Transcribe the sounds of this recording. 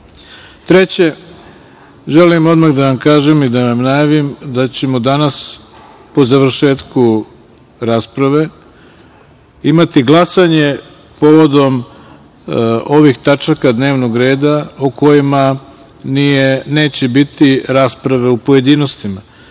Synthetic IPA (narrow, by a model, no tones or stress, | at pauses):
t̪ɾet͡ɕe̞ | ʒe̞limo̞d̪maɣd̪aʋamkaːʒemid̪aʋamnajaʋimd̪at͡ɕe̞mo̞d̪anas | po̞zaʋɾ̩ʃe̞ːt̪ku | ɾaːspɾaʋe̞ | imat̪iɡlˠasaɲe̞ | po̞ʋo̞d̪o̞m | o̞ʋixt̪at͡ʃakad̪ne̞ːʋno̞ɡɾe̞ːd̪auko̞jima | nijene̞ːt͡ɕebit̪iɾaːspɾaʋe̞upo̞je̞d̪ino̞st̪ima